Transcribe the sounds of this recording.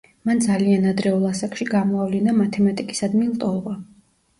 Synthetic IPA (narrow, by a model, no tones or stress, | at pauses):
mand̪zalianad̪ɾɛulˠasakʼʃiɡamɔavlinamat̪ʰɛmat̪ʼikʼi̥sad̪milˠt̪ʼɔlˠʁa